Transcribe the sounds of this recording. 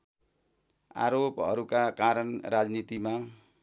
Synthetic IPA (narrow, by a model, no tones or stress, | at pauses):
a̰ɾopʌ̰ɾukakaɾʌnrad͡znit̪ima